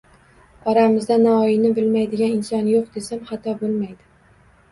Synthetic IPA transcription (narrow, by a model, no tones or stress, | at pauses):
ɒɾamɪzd̪anaɒjɪnɪbɪlmajd̪ɪɡʲanɪnsɒnjoq̚d̪e̞samhɑt̪ʰɒbolˠmajd̪ɪ